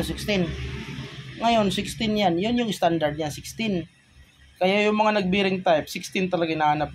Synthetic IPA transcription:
sɪkst̪ɪn | ŋɐjo̞nsɪkst̪ɪnjanjonjʊŋɪst̪and̪ɐɹd̪̚ɲaŋsɪkst̪ɪn | kɐjajʊŋmɐŋanɐɡ̚bɪɾɪŋt̪ajpsɪkst̪ɪnt̪ɐlɐɡanahanap̚

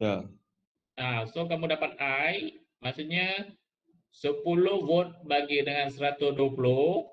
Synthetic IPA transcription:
ja | ʔasok̬amudapat̪̚aj | masuʔɲa | səpulʊhvot̪̚baɡidəŋansəɾat̪ʊsduapulo

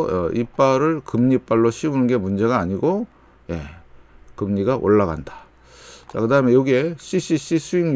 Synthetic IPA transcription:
ʌip͈aɾɯɭkɯmɲip͈aɭːoɕʰiunɯnɡe̞mund͡ʑe̞ɡaːɲiɡo | je̞̰ | kɯmɲiɡaʔo̰ɭːaɣa̰ndḁ | t͡ɕakɯdaɦɯmejoɡe̞ɕ͈ʰiɕ͈ʰiɕ͈ʰisʰuiŋ

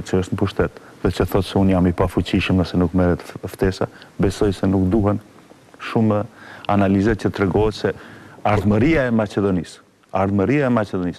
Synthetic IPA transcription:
t͡ʃəəʃt̪nəpuʃt̪ɛt̪ðɛt͡ʃəθɔt̪sɛunjamipafut͡ɕiʃəmðɛsɛnukmɛɾɛt̪ft̪ɛsa̰bɛsɔjsɛnukd̪uɦɛn | ʃuməanalizɛt͡ʃət̪ɾɛɡɔɛt̪sɛaɾðməɾiaɛmat͡ɕɛðɔnis | aɾðməɾiaɛmat͡ʃɛd̪ɔnis

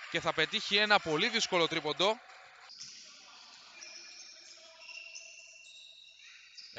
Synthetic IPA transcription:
ce̞θɐpe̞t̪içie̞nɐpo̞liðisko̞lo̞t̪ɾipo̞nd̪o̞

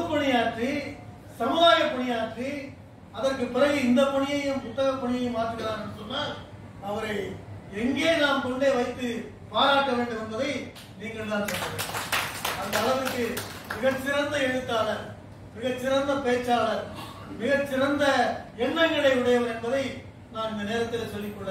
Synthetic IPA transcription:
ɯpːɔɳɪjaːʈri | sɐmɯðaːjɐpːɔɳɪjaːʈri | ɐðɐrkɯpːɪɾɐɣɯɪnd̪ɐpɔɳɪjɐjɯmkʊt̪ːɐɣɐpːɐɳɪjɐjɯmːaːt̪ːɯkːɪɾaːnɛnɖːɯsɔnːaːl | ɐʋɐɾɐɪɛŋɡeːnaːmkɔɳɖeːʋɐɪt̪ːɯ | paːɾaːʈːɐʋeːɳɖɯmɪnbɐðɐɪ | niːŋɡɐɭt̪ãːnsɔlːɐʋḛː | ɐnd̪ɐːɭɐʋɯkːɯ | mɪɣɐt͡ʃːɪɾɐnd̪ɐɛɻɯt̪ːaːlɐɾ | mɪɣɐt͡ʃːɪɾɐnd̪ɐpeːt͡ʃːaːlɐɾ | mɪɣɐt͡ʃːɪɾɐnd̪ɐɛɳːɐŋɡɐɭɐɪʋɪɽɐjɐʋɐɾɛnbɐðɐɪ | naːnɪnd̪ɐneːɾɐt̪ːɪlɐsɔlːɪkːɔːe

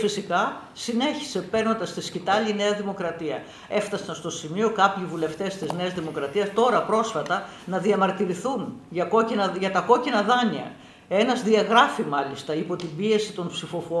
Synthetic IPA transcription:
fisikɐ | sine̞çi̥se̞pe̞ɾno̞nd̪ɐst̪iscit̪ɐline̞ɐðimo̞kɾɐt̪iɐ | e̞ft̪ɐsɐnst̪o̞simio̞kɐpçivule̞ft̪e̞st̪izne̞ɐzðimo̞kɾɐt̪iɐst̪o̞ɾɐpɾo̞sfɐt̪ɐ | nɐðiɐmɐɾt̪iɾiθunʝɐko̞cinɐʝɐt̪ɐko̞cinɐðɐniɐ̰ | e̞nɐzðiɐɣɾɐfimɐlist̪ɐipo̞t̪ibie̞sit̪o̞npsifo̞fo

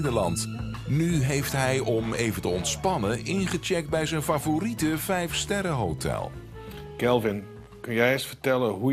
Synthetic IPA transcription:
dəɹlɑnt | nyɦejftɦɛjʔɔmejvəntəɔntspɑnəʔɪnχət͡ʃɛk̚t̚bɛjzɛjnfavoritəvɛjfstɛrəɦowtɛ̰lˠ | kɛlˠvɪn | kɵnjɛjɪɹsfəɹtɛlənɦu

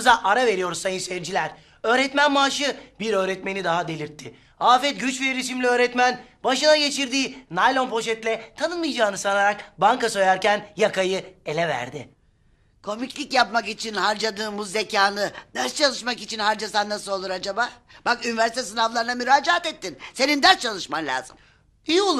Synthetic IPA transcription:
zaʔaɾave̞ɾijo̞ɾuzsajɯnsɛɾd͡ʒilʲæɾ | ø̞ːɾɛt̪mænmaːʃɯbiɾø̞ːɾɛt̪me̞nid̪aɦad̪e̞lʲiɾt̪ʰːɪ | aːfɛt̪̚ɟyt͡ʃveiɾis̬imlʲiø̞ːɾɛt̪mænbaʃɯnaɟe̞t͡ʃʰiɾd̪iːnajlʲˠonpʰo̞ʃɛt̪lʲɛt̪ʰanɯnmɯjd͡ʒaːnɯsanaɾak̚baŋkaso̞jaɾcænjakʰajɯe̞lʲɛvæ̰ɾd̪ɪ | kʰo̞miclʲicjapmakit͡ʃʰinhaɾd͡ʒad̪ɯːmuzːecʰaːnɯd̪æɾst͡ʃʰalˠɯʃmakit͡ʃʰinhaɾd͡ʒasand̪asɯo̞lˠuɾad͡ʒabaːbakynivɛæɾsit̪ʰɛsɯnavlˠaɾɯnamyɾaːd͡ʒaat̪et̪ːinse̞nind̪æɾst͡ʃʰalˠɯʃmanlʲa̰ːzɯm | iu

